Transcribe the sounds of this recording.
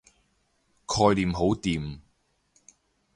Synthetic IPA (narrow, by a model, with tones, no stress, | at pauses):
kʰɔː˧jliː˨mɦo˨˥wt̪iː˨m